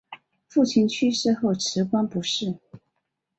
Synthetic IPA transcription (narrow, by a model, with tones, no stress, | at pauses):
fu˥˩t͡ɕʰi˧˥nt͡ɕʰy˥ʂɻ̩˥˧xo˥˩ʊʈ͡ʂʰɻ̩˧˥kwa˥npu˧˥ʂɻ̩˥˩